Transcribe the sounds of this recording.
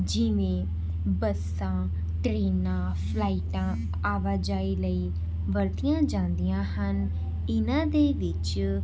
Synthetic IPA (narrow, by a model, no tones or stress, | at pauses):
d͡ʒɪʋẽː | bəs | ãː | ʈɾeːnãː | pʰlaːiʈãː | aːʋaːd͡ʒaːeːləiː | ʋəɾt̪ijãːd͡ʒãːnd̪ijãːɦən | ɪnãːd̪eːʋɪt͡ʃ